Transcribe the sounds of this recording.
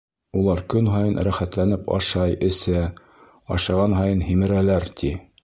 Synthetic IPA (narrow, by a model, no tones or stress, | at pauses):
ulˠɑɾkɵnɦɑjɤnɾæχæt̪lænɘpɑ̰ʃɑjɘ̆sæ | ɑ̰ʃɑʁɑnɦɑjɤnhimɘ̆ɾælæɾt̪ʰi